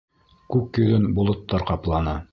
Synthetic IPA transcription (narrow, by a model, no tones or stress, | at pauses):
kʉkjɵ̆ðɘnbulˠŏt̪ːɑɾqɑplˠɑnɑ